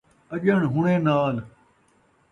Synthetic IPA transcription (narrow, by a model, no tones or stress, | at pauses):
əʄəɳɦʊɳẽːnaːl